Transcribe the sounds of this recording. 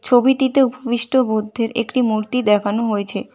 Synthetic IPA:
t͡ɕʰobiʈit̪eupobiʃʈobud̪ʱːeɾḛkʈimuɾt̪id̪ɛkʰanoɦoet͡ɕʰe

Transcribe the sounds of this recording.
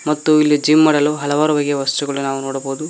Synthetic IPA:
mɐt̪ːuilːid͡ʒiːmːɐɽɐloɦɐlɐʋaːɾubɐɡjɐʋɐst̪uɡɐɭunaːʋunoːɽɐboːd̪u

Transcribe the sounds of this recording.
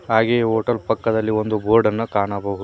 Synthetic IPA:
ɦaːɡejoːʈɐlpɐkːɐd̪ɐlːio̞nd̪ubʱoːɾɖɐnːɐkaːɳɐbɐɦud̪

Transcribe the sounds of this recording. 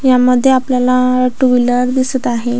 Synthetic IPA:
jaməd̪ʱːjeapljalaʈuʋiləɾd̪isət̪aɦe

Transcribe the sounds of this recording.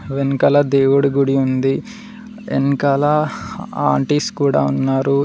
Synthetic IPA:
ʋenkɐlɐd̪eːwuɽuɡuɽiund̪i | ḛnkɐlɐaːɳʈiskuːɽaːunːaːɾu

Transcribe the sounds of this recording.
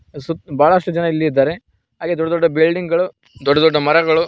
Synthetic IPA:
subaːɭɐʂʈud͡ʒɐnɐilːiːd̪aːɾe | ɦaːɡeːd̪ɔɖːɐd̪ɔɖːɐbilɖiŋɡɡɐɭu | d̪ɔɖːɐd̪ɔɖːɐmɐɾɐɡɐɭu

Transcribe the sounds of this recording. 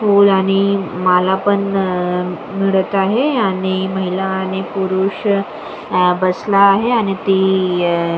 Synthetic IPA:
fuːlaɽ̃imalapəɳ | miɭət̪aɦeaɽ̃iməɦilaːɽ̃ipuɾuɕ | bəslaːɦeaɽ̃it̪i

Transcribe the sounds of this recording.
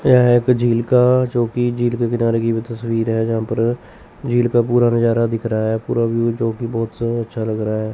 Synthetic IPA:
jaekd͡ʒiːlkat͡ʃoːkid͡ʒiːlkekɪnaːɾekibʱit̪əswiːɾɦɛːd͡ʒəɦãːpəɾ | d͡ʒiːlkapuːɾanɪd͡ʒaːɾad̪ɪkʰɾaɦɛːpuːɾabʱit͡ʃoːkibɔːt̪sɐtːʃʰaləɡɾaɦɛː

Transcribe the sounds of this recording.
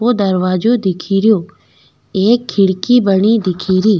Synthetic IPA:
od̪əɾʋaːd͡ʒod̪ɪkʰiːɾɪjoː | eːkʰːɪɽkiːbəɳiːd̪ɪkʰiːɾiː

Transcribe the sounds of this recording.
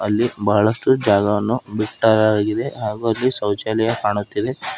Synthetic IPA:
ɐlːibɐɦɐɭɐsʈud͡ʒaːɡɐʋɐnːubiʈːaːɾaaːɡid̪e̞ɦaːɡuːɐlːisɐwt͡ʃalɛjɐkaːɳut̪ːid̪e̞

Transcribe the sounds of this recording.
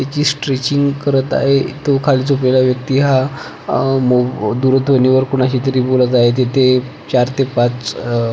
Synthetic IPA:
t̪jat͡ɕiːsʈɾit͡ɕiŋɡkəɾət̪a̰ɦet̪okʰaliːt͡sop̬lelaʋjək̚t̪iːɦa | mod̪uɾət̪ʰʋəniʋəɾkoɽ̃aɕiːt̪əɾiːbolət̪̬aɦet̪̬et̪ʰe | t͡ɕaɾt̪epat͡s

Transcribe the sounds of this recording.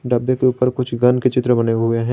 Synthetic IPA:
ɖɐbːekeuːpəɾkʊt͡ʃʰɡɐnket͡ʃɪt̪ɾəbɐneɦʊeɦɛ̃

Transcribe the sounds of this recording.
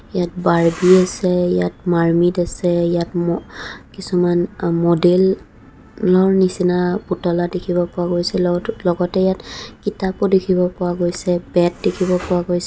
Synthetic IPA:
ijat̚baɹbiasɛijatmaɹmitasɛijatmɔkisumanmodelː | ɔɹnisinaputɔladekʰibɔpɔwaɡojsɛlɔɡɔtɛjatkitapɔdekʰibɔpɔwaɡojsɛbɛt̚dekʰibɔpɔwaɡojsɛ

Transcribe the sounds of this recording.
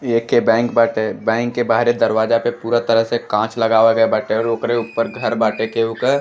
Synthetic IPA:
eːkːebɛ̃ːŋkbaːʈebɛ̃ːŋkːebaːɦɾed̪əɾʋaːd͡ʒapepuːɾat̪əɾəɦsekãːt͡ʃlɐɡaːʋaɡəebaːʈeɔːɾoːkɾeupːəɾɡʱɐɾbaːʈekeukə

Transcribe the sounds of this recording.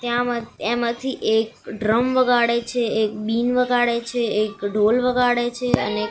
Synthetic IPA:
t̪jãmaemãt̪ʰiʔek̚ɖɾəmʋəɡʱaɽet͡ʃʰeekbinʋəɡʱaɽet͡ʃʰeekɖʱolʋəɡʱaɽet͡ʃʰeə̰ne

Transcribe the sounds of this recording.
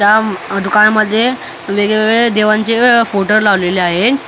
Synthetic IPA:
t̪jad̪ukaɳməd̪ʱːje | ʋeɡɭeʋeɡɭed̪eʋãɲt͡sefoʈəɾlaʋleleaɦe

